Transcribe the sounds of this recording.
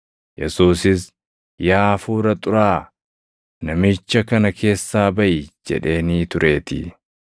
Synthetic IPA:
jɛ̰suːsɪs | jaːfuːɾɐt̪ʼʊɾaː | nɐmɪt͡ʃːɐkɐnɐkʰe̞ːsːaːbɐʔɪd͡ʒɛ̰ᶑe̞ːniːt̪ʊɾʔe̞ːt̪ɪ̰

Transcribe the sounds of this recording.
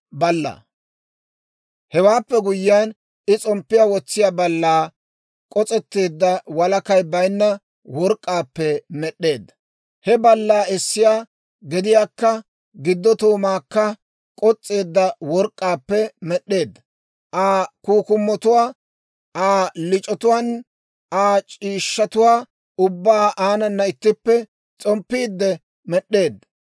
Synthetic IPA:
bɐlːɐ̰ | hɛwaːpːɛɡʊjːɪjan | ɪt͡sʼɔmpːɪjaːwɔt͡sːɪjaːbɐlːaː | kʼɔt͡sʼɛt̪ːe̞ːd̪ːɐwɐlɐkɐjbɐjnːɐ | wɔɾkʼːaːpːɛmɛɗːe̞ːd̪ːɐ | hɛbɐlːaːɪsːɪjaː | ɡɛd̪ɪjaːkːɐ | ɡɪd̪ːɔt̪oːmaːkːɐ | kʼɔt͡sʼːe̞ːd̪ːɐwɔɾkʼːaːpːɛmɛɗːe̞ːd̪ːɐ | ʔaːkuːkʊmːɔt̪ʊwaː | aːlɪt͡ʃʼɔt̪ʊwaːn | aːt͡ʃʼiːʃːɐt̪ʊwaː | ʊbːaːʔaːnɐnːɐɪt̪ːɪpːɛ | t͡sʼɔmpːiːd̪ːɛ | mɛɗːe̞ːd̪ːɐ

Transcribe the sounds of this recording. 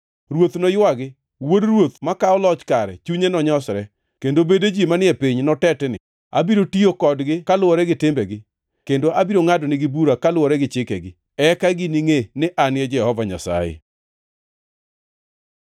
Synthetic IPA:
ɾwot̪nɔjwaɡɪ | wodɾwot̪makaɔlɔt͡ʃkaɾɛ̰t͡ʃuɲenɔɲɔsɾɛ | kendobeded͡ʒimanɪɛpiɲnɔtɛtɛnɪ̰ | a̰biɾotiokɔdɡɪkalwɔɾɛɡɪtɪmbɛɡɪ | kendoʔabiɾoŋadɔnɪɡɪbuɾakalwɔɾɛɡɪt͡ʃɪkɛɡɪ | ɛkaɡɪniŋenɪʔanɪɛd͡ʒɛhɔvaɲa̰sa̰jḛ

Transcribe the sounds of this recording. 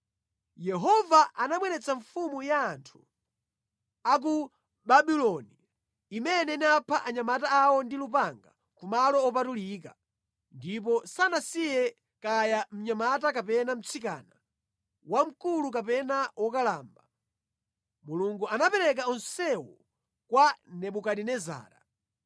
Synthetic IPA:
jɛɦɔvaʔanamwɛnɛt͡saɱfumujaːntʰu̥ | ak̬u | baɓilɔniː | mɛnɛinapʰaʔaɲamataːwɔndilup̬aŋɡa̰ | kumalɔɔp̬atulika | ndip̬ɔsanasijɛ | kajam̩ɲamatakapɛnam̩t͡sʰika̰ːna | wam̩kulukapɛnawɔkalaːmba | muluŋɡuanapɛɾɛk̬aɔnsɛwɔ | kwanɛɓukaɗinɛza̰ːɾa̰

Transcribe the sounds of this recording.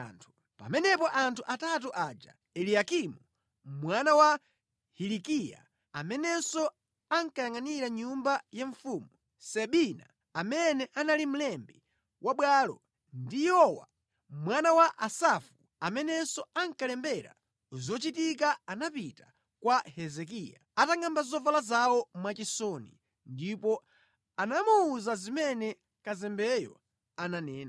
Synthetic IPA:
ntʰu | pa̰mɛnɛpɔʔantʰuʔatat̬uʔad͡ʒa̰ | ɛliakimu | mwanawa | hilikija̰ | amɛnɛsɔ | aŋkajaŋaniɾaɲumbajaɱfuːmu | sɛɓinaː | mɛnɛʔanalim̩lɛmbi | wʔaɓwalɔ | ndijɔwa̰ | mwanawaʔasafu | amɛnɛsɔaŋkalɛmbɛɾa̰ | zɔt͡ʃitikaanapita | kwahɛzɛk̬ijaataŋɡambazɔvalazawɔmwat͡ʃisɔnḭ | ndipɔ | anamuuzazimɛnɛ | kazɛmbɛjɔ̰ | ananɛːna

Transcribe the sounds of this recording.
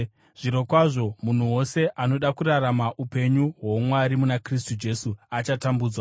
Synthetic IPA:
ʐ̥iɾo̞kwaʐo̞mun̤uwo̞se̞ʔano̞ɗakuraɾamaʔupe̞ɲuɦwo̞mwaɾimunakris̬tud͡ʒe̞suat͡ʃatambuːd͡zwa

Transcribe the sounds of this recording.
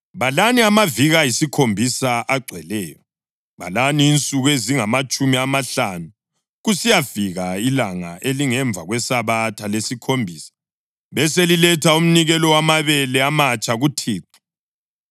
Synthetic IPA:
βalaniamaviɣajisikʰombʱisaʔaɡ͡ǀʱɛlɛːjɔ | βa̰laniːnt͡sʼuɣeziŋamat͡ʃʼumiamaɬanu | ɣusijafiɣailaŋa̰ʔeliŋɛɱb̪vʱaɣwɛsaβatʰalesikʰombʱiːsḁ | βɛselilɛtʰaum̩niɣɛlɔwamaβɛlɛamat͡ʃʼaɣutʰiːǀi̥

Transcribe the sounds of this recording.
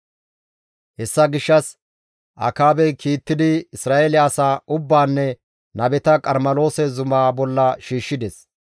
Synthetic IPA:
hɛsːɐɡɪʃːɐs | ʔɐ̰kaːbɛkiːt̪ːɪd̪ɪɪsɾaːʔelɪːsaːʔʊbːaːnːɛ | nɐbɛt̪ɐkʼɐɾmɐlo̞ːsɛzʊmaːbɔlːɐʃiːʃːɪd̪ɛs

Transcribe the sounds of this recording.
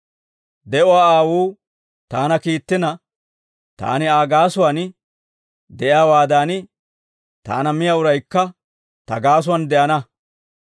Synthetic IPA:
d̪ɛʔʊwaːaːwuː | t̪aːnɐkiːt̪ːɪnɐ | t̪a̰ːnɪaːɡaːsʊwan | d̪ɛjaːwaːd̪aːn | t̪a̰ːnɐmɪjaʊɾɐjkːɐ | t̪ɐɡaːs̬ʊwɐnd̪ɛʔɐnɐ

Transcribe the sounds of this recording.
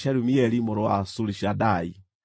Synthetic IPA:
ʃaɾumiɛɾimɔɾɔa̰suliʃadai

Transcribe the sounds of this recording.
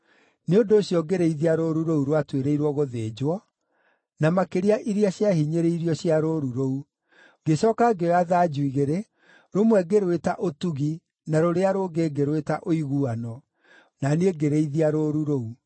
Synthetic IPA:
neondoːɕjɔɡeɾeiðiaɾoɾuɾouɾwatweɾeiɾwɔɣoðeːd͡ʑwɔ | namakeɾiaʔiɾiaɕiahiɲeɾeiɾiɔɕiaɾoɾuɾou | ɡeɕɔːkaɡeɔaðaːd͡ʒuiɣeɾe | ɾomwɛɡeɾwetaʔotuɣi | naɾoɾeaɾoɡeɡeɾwetaʔoiɣuanɔ | naneɡeɾeiðiaɾoɾuɾou

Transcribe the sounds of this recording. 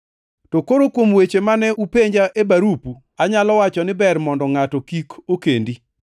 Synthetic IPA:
tokoɾokwomwet͡ʃemanɛupeɲd͡ʒaʔebaɾupu | aɲalɔwat͡ʃɔnɪbɛrmɔndɔŋatɔkikokendi

